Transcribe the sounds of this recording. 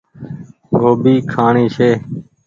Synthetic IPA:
ɡʱoːbiːkʰaːɳiːseː

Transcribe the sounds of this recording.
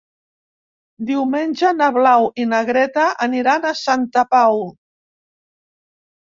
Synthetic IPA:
d̪iwmenʲʒənəβlawinəɣɾɛt̪aʔəniɾanəsant̪əpaw

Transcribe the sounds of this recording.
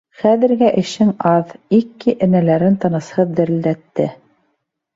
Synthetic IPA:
χæðɘ̆ɾɡæʔɘ̆ʃɘŋɑðikːiʔɘ̆nælæɾɘnt̪ɤ̆nɤ̆shɤðːd̪ɘ̆ɾɘ̆ld̪æt̪ːɘ

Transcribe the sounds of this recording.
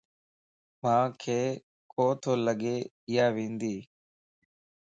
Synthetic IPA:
mãːkʰeː | kʰoːt̪ʰoːləɠeː | ɪjaːʋẽːnd̪iː

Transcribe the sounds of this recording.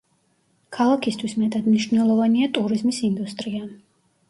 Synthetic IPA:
kʰalˠakʰist̪ʰwismɛt̪ʼad̪mniʃvnɛlˠɔvaniat̪ʼuɾizmisind̪ust̪ʼɾia

